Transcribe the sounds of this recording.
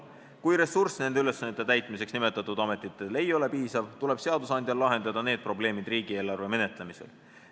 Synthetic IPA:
kujɾe̞sursne̞nd̪eyle̞sːɑnet̪ːˑe̞t̪æjt̪ˑmiseksnime̞t̪ːˑɑt̪ːˑud̪ɑme̞t̪ːˑit̪ːˑe̞le̞jo̞le̞piːsɑvt̪ule̞b̥se̞ɑd̪usɑnʲd̪̥ʲjɑlɑɦe̞nd̪̥ɑd̪̥ɑne̞ːd̪̥̚pro̞ble̞ːmid̪̥riːɡ̥ie̞ːlɑrve̞me̞ne̞t̪le̞mise̞̰l

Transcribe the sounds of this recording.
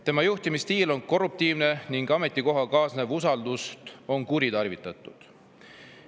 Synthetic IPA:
t̪e̞mɑjuht̪imist̪iːlo̞nko̞rːup̚t̪iːvne̞niŋɡ̥ɑme̞t̪ˑːiko̞ɦɑkɑːsne̞vusɑld̪ust̪o̞nkuɾit̪ɑrvit̪ːˑɑt̪ːˑud̪̥

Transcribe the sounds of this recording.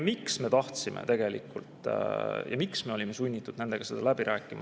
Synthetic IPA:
miksme̞ːt̪ɑht̪simʔḛt̪e̞ɡ̥e̞lḭkːult̪ˑjɑ̰miksme̞o̞lʲime̞sunʲːit̪ːˑud̪̥ne̞nd̪e̞ɡ̥ɑse̞d̪̥ɑlæbiɾʔæːkːˑimɑ

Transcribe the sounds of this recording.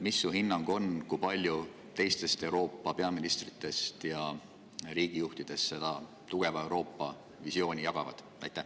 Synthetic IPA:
misːuɦinːɑŋɡ̥o̞nkujpɑlʲju | t̪e̞jst̪e̞st̪e̞wɾo̞ːpːˑɑpe̞ɑminist̪rit̪ːˑe̞st̪jɑ | ɾiːɡ̥ijuht̪id̪̥e̞st̪se̞d̪̥ɑ | t̪uɡ̥e̞vɑe̞wɾo̞ːpːˑɑ | visio̞ːnʲijɑɡ̥ɑvɑ̰d̪̥ | ɑjt̪ːˑæh

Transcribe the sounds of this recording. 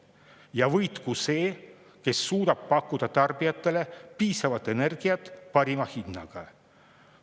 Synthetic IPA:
jɑvɤjt̪kuse̞ː | ke̞sːuːd̪̥ɑb̥̚pɑkˑːud̪̥ɑt̪ɑrbijɑt̪ˑːe̞le̞piːsɑvɑt̪ːˑe̞ne̞rɡ̥iɑt̪ːˑpɑɾimɑhinːɑ̰ɡ̥ɑ

